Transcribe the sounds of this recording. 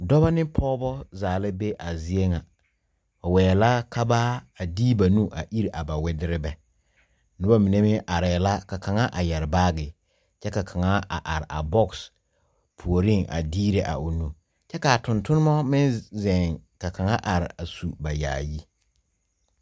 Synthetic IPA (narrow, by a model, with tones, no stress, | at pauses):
dɔ˦ba˦nɪ˦pʰɔː˦bɔ˦zaː˨la˦be˦ʔa˨zi˦e˦ŋa˨ | ɔ˨wɛː˨la˦kʰa˦ba˦a˨diː˦ba˨nu˦ʔa˨ʔi˦ɾa˨ba˨wɪ˦dɪ˦ɾɪ˦bɛ˦ | nʊ˦ba˦mi˨ne˦mɪ˦ʔa˨ɾɛː˨la˦ka˨kʰa˨ŋa˦ʔa˨jɛ˨ɾɪ˨baː˦ɡɪ˨ | t͡ʃɛ˦ka˨kʰa˨ŋa˦a̰˨ʔa˨ɾɪ˨a̰˨bɔ˦ks | pʰu˨o˨ɾɪ˦˨ŋʔa̰˨diː˦ɾe˨ʔa̰˨ʊ˨nu˨ | t͡ʃɛ˦ka˨tʊ˨ntʊ˦nɪ˦mɔ˦mɪ˦nzɛ˨ŋka˨kʰa˨ŋa˦ʔa˨ɾɪ˨a˨su˨ba˨ja̰ː˨ji˦